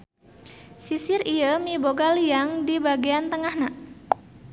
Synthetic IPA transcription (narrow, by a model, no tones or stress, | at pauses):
sisɪrijəmiboɡalijaŋdibaɡiant̪əŋahna